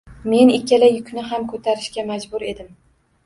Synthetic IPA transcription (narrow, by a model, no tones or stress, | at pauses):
me̞nɪkʲːalajʊkʰʲnɪɦamkʰɵt̪ʰaɾɪʃkʲamad͡ʒbʊɾe̞d̪ɪm